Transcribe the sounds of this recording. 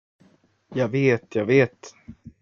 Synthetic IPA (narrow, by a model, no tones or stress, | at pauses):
jɑːɡveːt̪ʰjɑːveːt̪